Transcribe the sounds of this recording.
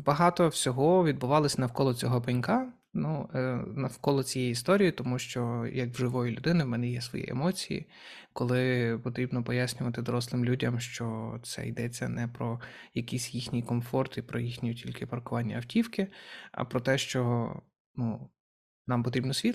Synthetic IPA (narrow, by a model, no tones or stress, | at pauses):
bɐɦɑt̪ɔwsʲɔɦɔʋʲid̪̚bʊʋɑlˠɔsʲɐnɐwkɔlˠɔt͡sʲɔɦɔpɐnʲkɑ | nunɐwkɔlˠɔt͡sʲijɛjist̪ɔɾʲijit̪ɔmuʃt͡ʃɔjɐkwʒɪʋɔjʊlʲʊd̪ɪnɪwmɛnɛjɛsʋɔ̰jḭʔḛmɔt͡sʲijḭ | kɔlˠɪpɔt̪ɾʲibnɔpɔjasʲnʲʊʋɐt̪ɪd̪ɔɾɔslˠɪmlʲudʲɐmʃt͡ʃɔt̪sɛ̰jd̪ɛt͡sʲːɐ̰nɛpɾɔ | jɐkisʲjixnʲijkɔmfɔrt̪ipɾɔjixnʲijʊtʲilʲkɪpɐrkʊʋɑnʲːɐ̰ɐwtʲiwkɪɐ̰pɾɔt̪ɛʃt͡ʃɔ | nu | nɑmpɔt̪ɾʲibnɔsʲʋʲi